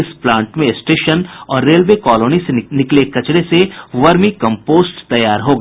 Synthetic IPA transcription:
ɪsplãːɳʈmẽsʈeːʃənɔːɾːeːlʋeːkɔːloːnisenɪklekɐt͡ʃɾeseʋɐɾmikɐ̃mpoːsʈt̪ɐjaːɾɦoːɡɐaː

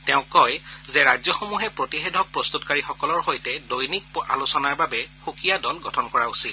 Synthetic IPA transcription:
tɛʊ̃kːɔjzɛɹajzjɔxomuɦɛpɹotixedʱɔk̚pɹɔst̪utkaɹixɔkɔlɔɹɦojtɛdojnik̚a̰lusɔnaɹbabɛxukijadɔlɡɔtʰɔnkɔɹausit

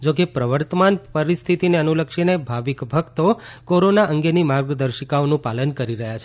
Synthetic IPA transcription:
d͡ʒokepɾəʋəɾt̪əmanpəɾist̪ʰit̪ineənuləkʃinebʱaʋikbʱəkt̪okoɾonaʔəŋɡenimaɾɡd̪əɾʃəkaonũpalənkəɾiɾəɦjat͡ʃʰe̥

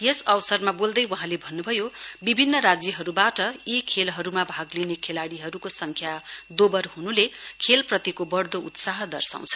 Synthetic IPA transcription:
jʌsʌwʌsʌrmabold̪ʌjwʌɦãlebʱʌnːubʱʌjobibʱinːʌɾad͡zjʌɦʌɾubaʈʌjikʰelɦʌɾumabʱaɡlinekʰelaɽiɦʌɾukosʌŋkʰjad̪obʌrɦunulekʰelprʌt̪ikobʌrd̪out̪saɦʌd̪ʌrsa̰w̃t͡sʰʌ̥

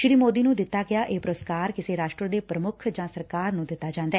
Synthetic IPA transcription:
ʃɾiːmoːd̪iːnũːd̪ɪt̪ːaːɡɪaːʔeːpɾoskaːɾkɪseːɾaːʃʈɾəd̪eːpɾəmʊkʰd͡ʒãːsəɾkaːɾnũːd̪ɪt̪ːaːd͡ʒãːnd̪aːɛː

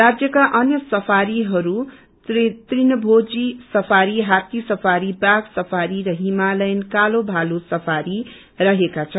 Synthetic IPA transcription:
rad͡zjʌkaʔʌnjʌsʌpʰaɾiɦʌɾu | t̪rinʌbʱod͡zisʌpʰaɾiɦat̪isʌpʰaɾibaɡsʌpʰaɾiɾʌɦimalʌjnkalobʱalosʌpʰaɾi | rʌɦekat͡sʰʌ

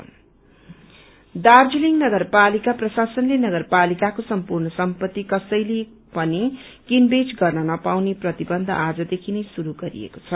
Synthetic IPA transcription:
d̪ard͡ziliŋnʌɡʌrpalikaprʌsasʌnlenʌɡʌrpalikakosʌmpurnʌsʌmpʌt̪ːikʌsʌjle | pʌni | kinbed͡zɡʌrnʌnʌpawneprʌt̪ibʌnd̪ʱʌ̰ʔad͡zʌd̪ekʰinʌjsuɾuɡʌɾḭḛko̥t͡sʰʌ

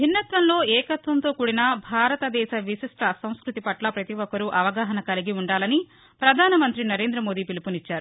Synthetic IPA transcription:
ɦinːɐt̪ʋɐnlo̞ːɛːkɐt̪ʋɐnt̪o̞ːkuːɽinɐbʱaːɾɐt̪ɐd̪ɛːʃɐʋisiʂʈɐsɐ̃w̃skɾut̪ipɐʈlɐpɾɐt̪iʋɔkɐɾuʔɐʋɐɡaːɦɐnɐkɐliɡiuɳɖaːlɐni | pɾɐd̪ʱaːnɐmɐnt̪ɾinɐɾe̞ːnd̪ɾɐmoːd̪iːpilipunit͡ʃːaːɾu

